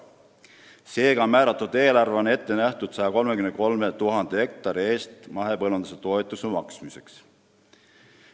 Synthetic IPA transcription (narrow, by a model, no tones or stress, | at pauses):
se̞ːɡ̥ɑmæːɾɑt̪ˑːud̪̥e̞ːlɑrve̞o̞ne̞t̪ːe̞næht̪ud̪̥sɑjɑko̞lmekymnko̞lme̞t̪uɦɑnd̪̥ehe̞k̚t̪ɑɾie̞ːst̪mɑɦe̞pɤlund̪̥ɑ̥set̪o̞et̪ˑusemɑksmise̞ks